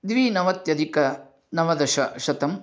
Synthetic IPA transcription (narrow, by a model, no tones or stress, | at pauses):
d̪ʋiːnɐʋɐt̪jɐd̪ikɐ | nɐʋɐd̪ɐʃɐʃɐt̪ɐm